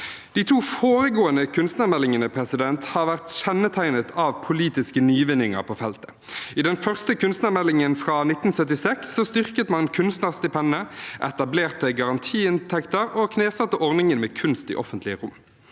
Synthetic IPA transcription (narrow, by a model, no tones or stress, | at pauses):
d̪̥iːt̪ʰuːfoːʁəɡoːənəkʰʉnst̪næʁmɛlːɪŋənəpʰʁɛsɪd̪ɛnt̪hɑːʁʋæʁt̪çɛnət̪ʰæɪnət̪ʰɑːʋpʰʊliːt̪ɪskənyːʋɪnːɪŋə̰ʁpʰoːfɛlt̪ə̥ | ɪd̪ɛnfœʁst̪əkʉnst̪næːʁmɛlːɪŋənfʁɑːnɪt̪n̩sœt̪ɪsɛksːɔːst̪ʏʁkət̪mɑnkʰʉnst̪næːʁst̪ɪpʰɛnːəʔɛt̪ɑbleːʁt̪əɡɑʁɑnt̪ʰiːɪnt̪ʰɛkt̪əʁoːkʰneːsɑt̪ːəʔɔʁnɪŋənmeːkʰʉnst̪ḭːʔɔfənt̪lɪəʁʊmː